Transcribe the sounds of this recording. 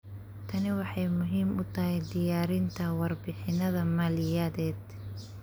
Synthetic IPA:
t̪ʰɐnɪwɑħɑjmʊɦiːmʊt̪ʰɐɦɛjd̪ɪjaːɾɪnt̪ʰɐwɑrbɪħɪnɐðɐmɐːlɪjɐːðɛːd̪

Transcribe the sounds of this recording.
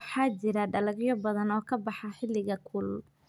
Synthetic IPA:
ħɑːt͡ʃɪɾɐɖɐlɐɡjɔbɐðɐnɔːkʰɐbɑħɑħɪlɪɣɐkʰʊl

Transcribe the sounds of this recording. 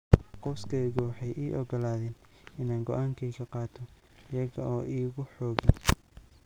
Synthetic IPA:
qɔwskʰɛːɣʊwɑħɑjʔiːʔɔɡɔlaːðɛːn | ɪnaːŋɡɔʔaːŋkʰɛjkʰɐqɑːt̪ʰɔ | ɪjɐɣɐʔɔːʔiːɣʊħɔːɣɪ

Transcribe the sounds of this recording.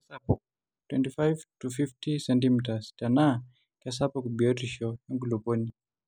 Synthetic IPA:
asapɔ | twɛ̰ntifajvtufiftisɛntimitastana | kas̬apɔkubiɔtiʃɔjaŋɡulupɔni

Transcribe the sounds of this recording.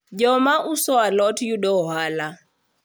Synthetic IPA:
d͡ʒɔmaʔusɔalɔtʰjuɗɔɦala

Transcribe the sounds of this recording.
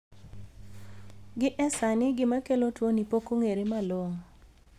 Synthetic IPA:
ɡɪʔɛsanɪɡɪmakelotwonipokoŋeɾemaloŋ

